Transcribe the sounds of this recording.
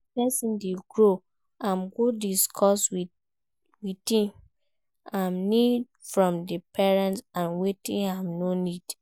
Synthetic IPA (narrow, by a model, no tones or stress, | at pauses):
pɛsĩndeɡɹo | ãmɡodiskʰɔswi | witĩm | ãmnid | fɹɔ̃mdəpʰɛɹɛ̃ntsãnwetĩnãmnonid̥